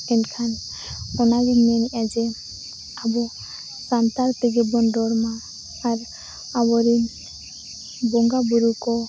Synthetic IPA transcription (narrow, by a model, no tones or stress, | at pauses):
ɛnkʰan | ɔnaɡiɲnɛnɛʔad͡ʒɛ | abɔ | samt̪aɾt̪ɛɡɛbɔndɔɾmaː | ɾ | abɔɾin | bɔŋɡabuɾukɔ